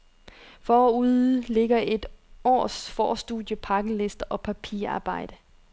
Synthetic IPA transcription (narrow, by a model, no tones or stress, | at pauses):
fɒuðˠle̝ɡ̥ɐʔe̝d̥ɒ̰ːsfɒ̰ːsd̥uðˠjəpʰɑ̈ɡ̥əle̝sd̥əʔɒ̽pʰæpʰḭːɐɑ̈ːb̥ɑ̈ɪ̰d̥ə